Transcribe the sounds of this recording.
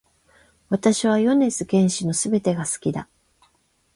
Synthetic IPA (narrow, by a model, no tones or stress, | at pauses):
βat̪aɕiβ̞ajo̞ne̞t͡sɨkẽ̞ɰ̃ɕino̞sɨbe̞t̪e̞ɡasɨ̥kʲid̪a̰